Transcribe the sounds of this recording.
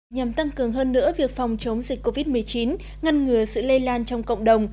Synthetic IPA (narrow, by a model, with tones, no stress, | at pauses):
ɲa˨˩mt̪a˧ŋkɨ˨˩əŋɦəː˧nːɨ̰˧˥əvi˨˩ək̚fa˨˩wŋ͡mt͡ɕə˨˦wŋ͡mzi˨˩k̟kːo˧vi˦˥t̚mɨ˨˩əjt͡ɕi˨˦n | ŋa˧nŋɨ˨˩əsɨ̰˧˨lə˧jlaː˧nt͡ɕɔ˧wŋ͡mkə̰˧˨wŋ͡mɗə˨˩wŋ͡m